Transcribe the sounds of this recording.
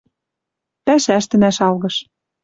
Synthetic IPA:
pæʃæʃt̪ɘ̆næʃɑlɣɤ̆ʃ

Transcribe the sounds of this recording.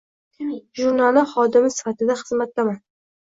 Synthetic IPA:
ʒuɾnalɪχɒd̪ɪmɪsɪ̥fat̪ʰɪd̪aχɨzmat̪laman

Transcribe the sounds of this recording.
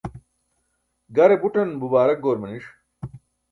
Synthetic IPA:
ɡɐɾebuʈɐnbubaːɾɐk̚ɡoːɾmɐniʂ

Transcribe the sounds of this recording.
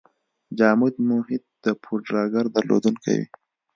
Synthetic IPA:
d͡ʒɑːmud̪mohɪd̪̚d̪̥əpʰuɖɾɑːɡaɾd̪ɐɾlo̰d̪unkʰa̰wḭ

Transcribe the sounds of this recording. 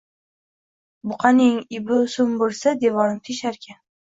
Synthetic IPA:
bʊqʰɑnɪŋɪbɪʊsʊmbolsad̪e̞vɒɾɪmt̪ʰeʃaɾkʲʰa

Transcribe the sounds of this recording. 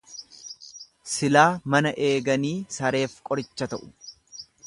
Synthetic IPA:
sɪlaːmɐnɐʔe̞ːɡɐniːsɐɾe̞ːfkʼɔɾɪt͡ʃːɐt̪ɐʔʊ̥

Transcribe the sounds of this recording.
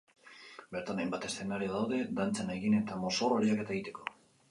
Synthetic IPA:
be̞ɾt̪anajmbat̪e̞sθe̞naɾioðawðe̞d̪ant͡saneɣine̞t̪amo̞soroɾiake̞t̪aeɣit̪e̞̥ko̞

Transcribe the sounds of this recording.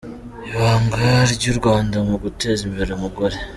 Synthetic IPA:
iβaːŋɡaɾɟuɾɡwaːndamuɡutezimbeɾemuɡoɾe

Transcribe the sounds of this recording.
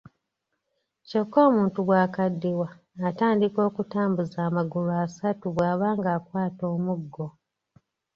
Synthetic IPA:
co̞kːo̞ːmuːntuβwaːkadːiwaː | taːndiko̞ːkutaːmbuzaːmaɡuluasatuβwaːβaːŋɡaːkwaːto̞ːmuɡːo

